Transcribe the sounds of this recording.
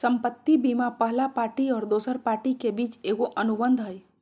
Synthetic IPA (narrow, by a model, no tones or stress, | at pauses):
səmpət̪ːibimapəɦlapaːɾʈiɔːɾd̪osəɾpaːɾʈikebiːt͡ʃeɡoʔənubənd̪ʱɦəj